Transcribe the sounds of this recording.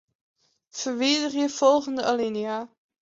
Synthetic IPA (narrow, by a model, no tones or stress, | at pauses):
v̥ərʋeːdərjəv̥ɔlˠχəndəʔaliniaː